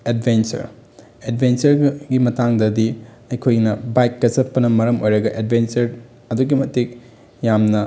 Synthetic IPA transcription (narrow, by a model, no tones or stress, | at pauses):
ed̚bʱent͡ʃɐ̰ɾ | edbʱent͡ʃɐɾɡimɐtaŋdɐdi | ɐjkʰojnɐbajkːɐsɐpːɐnɐmɐɾɐmojɾɐɡɐʔed̚bʱent͡ʃɐɾ | ɐduɡimɐtik̚ | jamnɐ